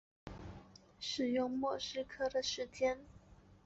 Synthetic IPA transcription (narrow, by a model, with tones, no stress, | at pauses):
ʂɻ̩˨˩jʊ˥˧ŋmwɔ˥˩ʂɻ̩˥kʰɤ˥d̪ə˨ʂɻ̩˧˥t͡ɕjɛ˥n